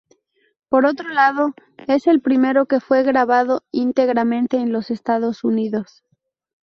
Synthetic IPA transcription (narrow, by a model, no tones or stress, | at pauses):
po̞ɾo̞t̪ɾolaðo̞e̞se̞lpɾime̞ɾo̞ke̞fwe̞ɣɾaβað̞o̞int̪e̞ɣɾamẽ̞nt̪e̞ːnlo̞se̞st̪aðo̞suniðo̞s